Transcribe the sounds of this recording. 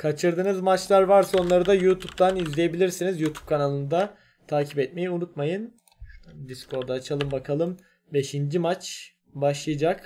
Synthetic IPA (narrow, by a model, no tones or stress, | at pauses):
kʰat͡ʃʰɯɾd̪ɯnɯzmat͡ʃlˠaɾvaɾsao̞nlˠaɾɯd̪ajut̪ʰup̚t̪anizlʲeje̞bilʲiɾsinizjut̪ʰu̥p̚kʰanalˠɯnd̪a | t̪ʰaːcʰipɛt̪̚me̞jiunut̪majɯn | d̪iskʰo̞ɾd̪at͡ʃʰalˠɯmbakʰalˠɯm | be̞ʃind͡ʒimat͡ʃ | baʃlˠɯjad͡ʒak